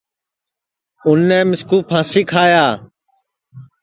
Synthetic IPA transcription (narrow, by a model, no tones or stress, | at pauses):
ʊnːɛːmɪskuːpʰãːsɪkʰaːjaː